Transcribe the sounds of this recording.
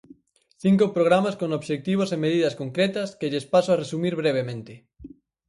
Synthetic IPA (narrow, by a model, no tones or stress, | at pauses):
θiŋkopɾoɣ̞ɾamaskonoβʃek̚t̪iβ̞osemeðiðɐskoŋkɾet̪ɐskeʎespasoaresumiɾβɾeβ̞emẽnt̪e